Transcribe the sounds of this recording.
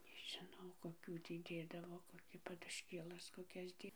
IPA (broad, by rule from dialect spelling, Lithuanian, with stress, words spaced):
nʲɛʒʲɪˈnɐʊ koːˈkʲuː ˈtʲiː ˈdʲeːdɐʋoː koːˈkʲiː pɐdʊʃʲˈkʲeːlˠɐs koːˈkʲɛs ˈtʲiː